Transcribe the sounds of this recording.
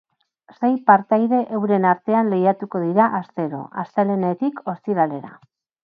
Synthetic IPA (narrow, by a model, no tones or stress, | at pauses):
se̞jpaɾt̪ajðe̞ʔewɾe̞naɾt̪e̞anle̞jat̪uko̞ð̞iɾaʔast̪e̞ɾo̞̰ʔa̰st̪elene̞t̪ikʰo̞st̪iɾale̞ɾa̰